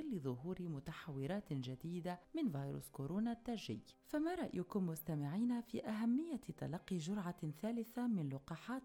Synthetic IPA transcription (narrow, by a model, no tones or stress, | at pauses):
ɪlːɪðˤʊɦuːɾɪmʊt̪aħawːɪɾaːt̪d͡ʒad̪iːd̪amɪnvɑːjɾṵskoɾoːnat̪ːaːʒɪ̰jːfamaɾˤɑʔjʊkʊmːʊst̪amɪʕiːnafḭːʔaɦamːɪjːat̪ɑ̰lɑqːiʒʊɾˤʕaθaːlɪθamɪnlʊqɑːħaːt̪